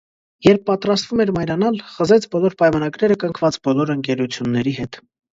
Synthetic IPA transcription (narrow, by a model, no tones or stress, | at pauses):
jɛɾpːɑt̪ɾɑst̪vumɛɾmɑjɾɑnɑlχəzɛt͡sʰbɔlɔɾpɑjmɑnɑɡɾɛɾəkəŋkʰvɑt͡sbɔlɔɾəŋkɛɾut͡sʰjunːɛɾiɦɛt̪